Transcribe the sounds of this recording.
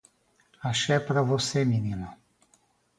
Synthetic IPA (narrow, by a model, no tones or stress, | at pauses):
aʃɛpɾavɔsemininɔ